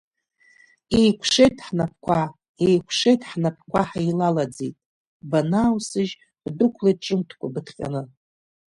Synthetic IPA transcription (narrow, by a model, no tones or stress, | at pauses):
ejkʷʰʂe̞jtʰʼħnap̚ʰkʷʰa | ejkʷʰʂejtʰʼħnapʰkʷʰaħajlalad͡zḛjtʼ | banaːwsɨʒ | dɨkʷʰlajt̚ʈ͡ʂʼɨmtʰkʷʰʼabɨtʰqʲʼa̰nɨ